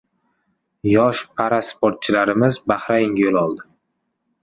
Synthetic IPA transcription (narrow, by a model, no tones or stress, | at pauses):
jɒʃpʰaɾaspoɾt̪̚t͡ʃʰɪlaɾɪmɪzbahɾaɪŋʲjolˠɒlˠd̪ɪ